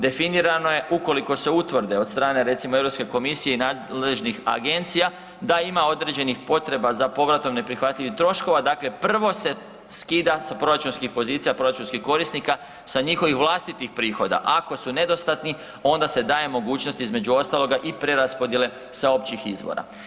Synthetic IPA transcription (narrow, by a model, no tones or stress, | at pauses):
d̪e̞finiɾano̞je̞ʔuko̞liko̞se̞ut̪ʋr̩d̪eo̞d̪st̪ɾaːne̞ɾe̞t̪simoeʋɾo̞pske̞ko̞misije̞inaːd̪lle̞ʒnixa̰ɡe̞nt̪sija | d̪aimao̞d̪ɾed͡ʑe̞nixpo̞t̪ɾe̞bazapo̞ʋɾat̪o̞mne̞pɾixʋat̪ʎʲiʋixt̪ɾo̞ʃko̞ʋad̪aːkle̞pr̩ʋo̞se̞ | skid̪asapɾo̞ɾat͡ʃunskixpo̞ziːt̪sijapɾo̞ɾat͡ʃunskixko̞ɾisnika | saɲixo̞ʋixʋlˠaːst̪it̪ixpɾiːxo̞d̪a̰ʔako̞sune̞d̪o̞st̪at̪ni | o̞nd̪ase̞d̪aːje̞mo̞ɡuːt͡ʃnost̪izme̞d͡ʑuo̞st̪alˠo̞ɡaʔipɾe̞ɾaspo̞d̪jele̞ | sao̞pt͡ɕixizʋo̰ɾa̰